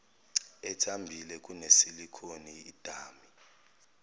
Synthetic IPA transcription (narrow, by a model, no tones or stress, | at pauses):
ɛtʰambʱilɛk̬ʼunesilikʰoniːd̥ʱaːmi